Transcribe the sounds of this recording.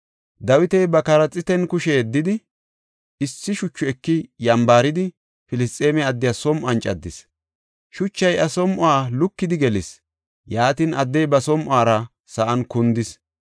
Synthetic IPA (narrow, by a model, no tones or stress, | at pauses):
d̪ɐwɪt̪ɛjbɐkɐɾɐt͡sʼːɪt̪ɛnkʊʃɛɛd̪ːɪd̪ɪ | ɪsːɪʃʊt͡ʃːʊɛkːɪjɐmbaːɾɪd̪ɪ | fɪlɪstʼeːmɛɐd̪ːɪjasɔmʔɐnt͡ʃʼɐd̪ːɪs | ʃʊt͡ʃːɐjɐsɔmʔʊaːlʊkːɪd̪ɪɡɛlɪs | jaːt̪inɐd̪ːɛjbɐsɔmʔʊaːɾɐ | sɐʔɐnkʊnd̪ɪs